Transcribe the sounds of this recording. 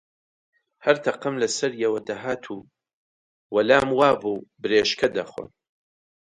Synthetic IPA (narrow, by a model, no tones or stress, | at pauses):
hɐɾt̪ʰɐqɐmlɐsɐɾjɛwɐd̪ɐɦaːt̪ʰuː | wɐlaːmwaːbuːbɨɾeːʃkʰɐd̪ɐχwɐ̰n